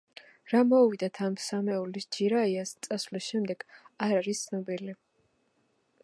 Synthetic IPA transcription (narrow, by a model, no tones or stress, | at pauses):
ɾamɔvid̪at̪ʰamsamɛulisd͡ʒiɾaiast̪sʼasvlisʃɛmd̪ɛɡ̥aɾaɾist̪sʰnɔbili